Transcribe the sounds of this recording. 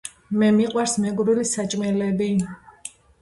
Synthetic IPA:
mɛmiqʼwaɾsmɛɡɾilisat͡ʃʼmɛlɛbi

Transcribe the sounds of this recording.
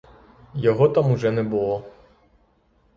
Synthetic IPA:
jɔɣɔt̪amuʐɛnɛbulˠɔ

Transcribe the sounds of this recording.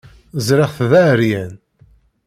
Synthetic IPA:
zɾɪʁθðæɾjæn

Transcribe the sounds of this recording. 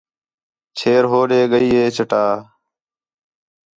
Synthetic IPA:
t͡ʃʰeːɾɦoːɗeːɠəiːɦeːt͡ʃʰəʈaː

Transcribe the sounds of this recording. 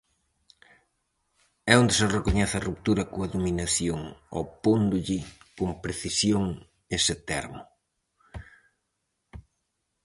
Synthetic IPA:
ɛond̪ɪserekoɲɛθɐrup̚t̪uɾɐkoɐðominaθjoŋɔ̰pond̪ʊʎɪkompɾeθisjoŋ | esɪt̪ɛ̰ɾmʊ

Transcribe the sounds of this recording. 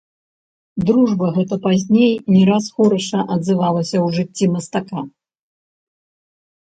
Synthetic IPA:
d̪ɾuʐbɐɣɛt̪ɐpazʲnʲejnʲɛɾasxɔɾɐʂɐʔɐd̪zɨvalˠɐsʲɐwʐɨt͡sʲːimɐst̪aka

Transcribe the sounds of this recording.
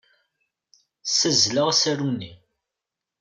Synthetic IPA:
səzləʁasæɾunːi

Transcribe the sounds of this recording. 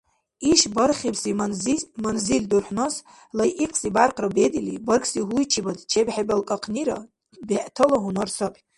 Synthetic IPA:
iʃbarχʲibsimanzimanzilʲdurħʷnos | lajʔiqʰʼsibarqʰʼrabed̪ilibərkʰʼsiɦuit͡ʃʰibadt͡ʃʰebħebalkʼaqʰniɾa̰ | baʔtʰəlaɦunarsapʼ

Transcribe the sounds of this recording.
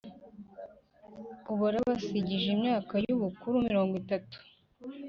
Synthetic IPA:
uβuɾaβasiɟiʒimɲaːkajuβukuɾumiɾo̞ːŋɡwitatu̥

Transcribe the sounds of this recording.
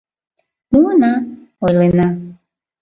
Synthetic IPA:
munaojlena

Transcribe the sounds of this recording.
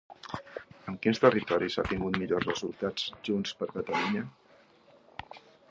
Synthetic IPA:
əŋkinst̪ərit̪ɔɾisa̰t̪iŋɡut̪miʎozrəzulˠt̪ad͡zʒunspəɾkət̪əluɲə

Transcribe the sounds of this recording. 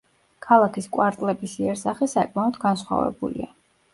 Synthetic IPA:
kʰalˠakʰiskʼwaɾt̪ʼlɛbisiɛɾsaχɛsakʼmaɔd̪ɡansχwa̰vɛ̰bṵlḭa

